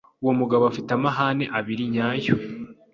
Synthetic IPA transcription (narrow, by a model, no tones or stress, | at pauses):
uwomuɡaβoafitamaɦaːne̞ʔaβiɾiɲaːjo